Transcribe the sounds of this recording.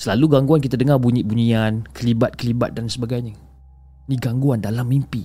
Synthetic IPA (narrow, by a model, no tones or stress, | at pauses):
səlaluɡaŋɡuankit̪adəŋarbuɲĩʔ̚buɲiankəliba̰t̪̚kəliba̰t̪̚dansəbaɡajɲə | niɡaŋɡuandalamːimpi